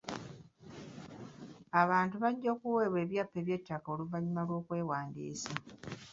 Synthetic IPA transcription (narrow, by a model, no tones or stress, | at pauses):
aβaːntuβaɟːo̞ːkuweːβwe̞ːβjapːe̞ːβje̞tːako̞ːluvaɲimalwo̞ːkwe̞ːwaːndḭːsa